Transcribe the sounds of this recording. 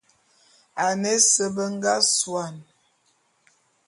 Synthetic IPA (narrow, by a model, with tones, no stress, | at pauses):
a˨ne˦sə˦bə˦ŋ˦ɡa˦swa˨n